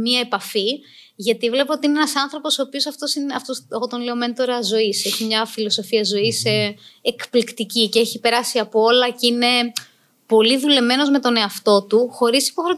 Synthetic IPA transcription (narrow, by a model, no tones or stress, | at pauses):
miɐe̞pɐfi | ʝɐt̪ivle̞pɐot̪iineenɐsɐnθɾo̞po̞so̞ːpio̞sɐft̪o̞sineɐft̪oseɣot̪o̞nle̞o̞me̞nt̪o̞ɾɐzo̞iseçimɲɐfilo̞so̞fiɐzo̞iseekplikt̪icice̞çipe̞ɾɐsiɐpoolɐceine̞ | po̞liðule̞me̞no̞zme̞t̪o̞ne̞ɐft̪o̞t̪uxo̞ɾisi̥po̞xɾo